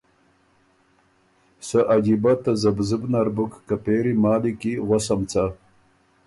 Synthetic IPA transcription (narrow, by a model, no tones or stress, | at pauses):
səʔad͡ʒibat̪azəbzɨbnaɾbukːapeːɾimɑːlikiʁʷasamt͡sa